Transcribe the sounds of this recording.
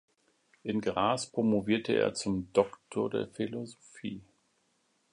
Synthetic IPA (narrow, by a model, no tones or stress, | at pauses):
ʔɪnɡʁaːspʁ̥omoviːɐtʰəʔḛːɐt͡sʊmdɔktʰoɐdḛːɐfilozofiː